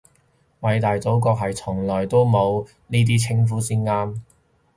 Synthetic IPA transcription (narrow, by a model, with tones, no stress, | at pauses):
wɐ˨˧jt̪aː˨jt͡so˨˥wk̬ɔː˧k̚ɦɐ˨jt͡sʰʊ˨˩ŋlɔː˨˩jt̪o˥wmo˨˧w | niː˥t̪̬iː˥t͡sʰɪ˥ŋfuː˨˥siː˥nŋaː˥m